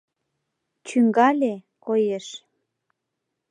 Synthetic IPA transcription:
t͡ɕyŋɡɑlʲe | kojeʃ

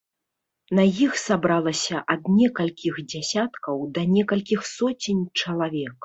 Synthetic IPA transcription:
nɐjixsabɾalˠɐsʲɐʔɐd̪nʲɛkɐlʲkʲixd͡zʲasʲat̪kɐwd̪ɐnʲɛkɐlʲkʲixsɔt͡sʲinʲt͡ʂɐlˠavʲɛk

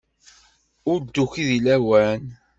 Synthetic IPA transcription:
ʊɾd̪ːuçiðilæwæn

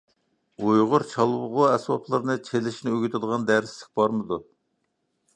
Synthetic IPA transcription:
ujʁʊɾt͡ʃʰɑlˠwʊʁʊɛswɑpʰlˠɨɾnɨt͡ʃʰelɪʃnɪøɡʲyt̪ʰɪd̪əʁɑnd̪æɾslɪ̥kʲbɑɾmɨd̪u

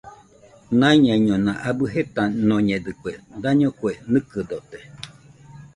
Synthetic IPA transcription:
naiɲãɲõnãʔabɨɦet̪anõɲẽd̪ɨkued̪aɲõkwenɨkɨd̪ot̪e

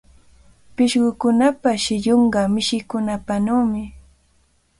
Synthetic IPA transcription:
pɪʃɢʊkʊnapaʃɪʎoɴɢɑmɪʃɪkʊnapanaːmɪ

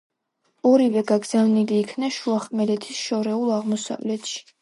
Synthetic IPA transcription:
ɔɾivɛɡaɡz̥avniliːkʰnaʃuaχmɛlɛt̪ʰisʃɔɾɛulˠaʁmɔsa̰vlɛt̪ʃi̥

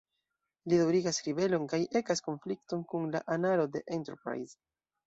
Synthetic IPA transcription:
lidawɾiɡasɾibe̞lo̞nkajʔe̞kasko̞nflikto̞nkunlaʔanalo̞de̞̰ʔentḛɾpɾa̰jz

